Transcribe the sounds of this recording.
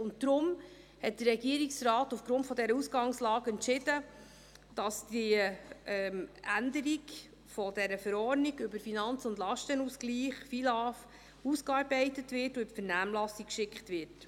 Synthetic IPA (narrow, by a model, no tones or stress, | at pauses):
ʊnd̥̪ɾʊm | hɛt̚d̥əɾɾɛɡiəɾiksrɑːtufɡ̥ɾʊntfɔdɛɾəusɡ̥ɑŋslɑːɡɛntʃɪd̥ə | d̥ɑsdi | ɛmændəɾiɡ | fɔdɛɾəfəɾɔɾniɡʏbəɾfinɑnt͡sʊndlɑʃtənusɡ̥liːχfilɑːf | uskɑːɾbɛɪtətʋɪtʊʏbəfəɾnæːmlɑsikkʃɪkχtʋɪɾt